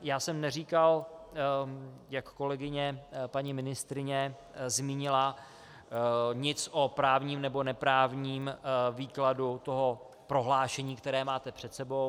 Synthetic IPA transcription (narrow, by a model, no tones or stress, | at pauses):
jaːsɛmnɛriːkal | jakːo̞lɛɡɪɲɛpaɲimɪnɪst̪ɾɪɲɛ | zmiːɲɪla | ɲɪt͡sʔopɾaːvɲiːmnɛbo̞nɛpɾaːvɲiːmviːkladut̪o̞ɦo̞ | pɾo̞ɦlaːʃɛɲiːkt̪ɛɾɛːmaːt̪ɛpr̝̥ɛt̪sɛbo̞w